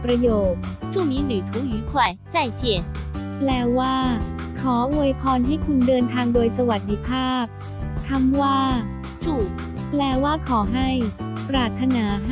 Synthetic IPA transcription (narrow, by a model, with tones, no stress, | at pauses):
pɾa˧joː˨˩t̪̚t͡ɕu˥˩mi˨˥˦ny˨˩t̪ʰuː˨˥yː˨˥kʰwa˨˩jt͡sa˥˩jt͡ɕɛ˨˥˩nplɛː˧waː˥˩ | kʰɔː˩˦wu˧jpʰɔː˧nɦa˥˩jkʰu˧ndɤː˧nt̪ʰaː˧ŋdoː˧jsa˧wa˨˩t̪̚d̪i˧˥pʰaː˥˩p̚ | t̪ʰa˧˥mwaː˥˩ | t͡ɕu˥˩ | plɛː˧waː˥˩kʰɔː˩˦ɦa˥˩jpɾaː˧˩t̪ʰːa˧naː˩˦